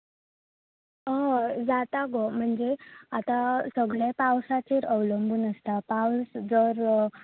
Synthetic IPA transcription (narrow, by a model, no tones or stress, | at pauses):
əd͡zat̪aɡom̤əɳd͡zeat̪asəɡɭjapawsat͡ɕeɾəwləmbʱuːnəst̪apawsd͡zəɾ